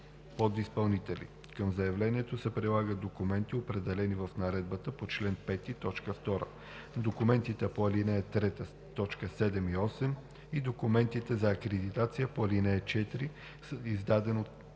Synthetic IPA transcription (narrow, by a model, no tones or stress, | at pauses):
pod̪ispɐlˠnit̪ɛlḭ | kəmzɐjɐvlɛniɛt̪osɛpɾilˠaɡəd̪̚d̪okumɛnt̪iopɾɛd̪ɛlɛnivəfnɐɾɛd̪̚bət̪əpot͡ʃlɛnpɛt̪it̪ɔt͡ʃkəft̪ɔɾə̰ | d̪okumɛnt̪it̪ɛpoɐlinɛɛt̪ɾɛt̪ə | t̪ɔt͡ʃkəsɛd̪ɛmiɔsɛm | id̪okumɛnt̪it̪ɛzɐːkɾɛd̪it̪at̪sijəpoɐlinɛɛt͡ʃɛt̪iɾi | izd̪ad̪ɛnot̪